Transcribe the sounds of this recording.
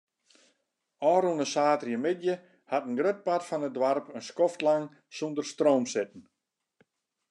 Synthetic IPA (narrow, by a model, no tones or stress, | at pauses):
ɔːɾunəsaːtrjəmɪdjə | hatənɡrøt̚patfɔnədʋarpənskɔftlaŋ | sundərstroːmsɪt̚n̩